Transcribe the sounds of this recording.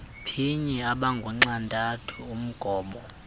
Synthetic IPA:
pʰiɲiaɓaŋɡʱuŋ͡ǀantʼatʰuum̩ɡ̥ʱɔːɓɔ

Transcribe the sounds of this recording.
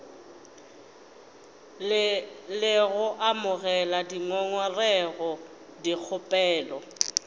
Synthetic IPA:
lɪɣʊʔamʊɣɛladiŋɔŋwɔrɛɣɔ | dik͡xʰʊpʼɛːlɔ

